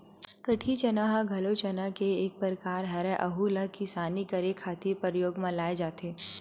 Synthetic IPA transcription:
kɐʈʰit͡ʃɐnaɦaɡʱɐlot͡ʃɐnakeeːk̚pəɾkaːɾɦɐɾɛʔɐɦuləkisaːnikɐɾekʰaːt̪ipəɾjoːɡmãlaːed͡ʒaːt̪eː

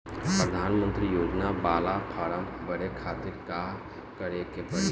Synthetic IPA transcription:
pɾəd̪ʱaːnmə̃nt̪ɾijoːd͡ʒnabaːlapʰaːɾə̃mbɐɾekʰaːt̪ɪɾka | kəɾekepəɾ

